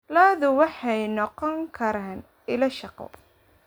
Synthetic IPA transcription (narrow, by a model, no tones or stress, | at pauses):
laːðʊwɑħɑjnɔqɔŋkʰɐɾaːn | ɪlɐʃɑqɔ̰